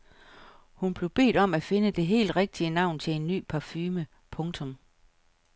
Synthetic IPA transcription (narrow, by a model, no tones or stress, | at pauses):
hunb̥le̝ʊb̥e̝̰ːd̥ɒ̽mæfe̝nəd̥e̝ɦe̝̰ːld̥ʁeɡ̥̚d̥iənɑ̈ʊ̰nt͡sʰe̝le̝nːy̰ːpʰɑ̈fyːmə | pʰɔ̽ŋt͡sʰɔ̽m